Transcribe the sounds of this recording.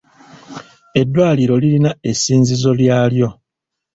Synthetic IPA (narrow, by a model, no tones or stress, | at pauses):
e̞dːwaːliɾo̞lilinae̞siːnzizo̞ljaːljo̞